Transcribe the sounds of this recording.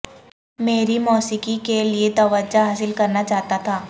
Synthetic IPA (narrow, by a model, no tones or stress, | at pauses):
meːɾimɔːsikikeliet̪ɐʋəd͡ʒaɦaːsɪlkɐɾnat͡ʃaːɦt̪at̪ʰaː